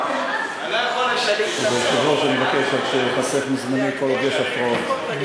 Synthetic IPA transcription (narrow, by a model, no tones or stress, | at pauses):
zeʃivoʃemevakeʃotʃepasefmizmanejkolavjeʃafʁaot̪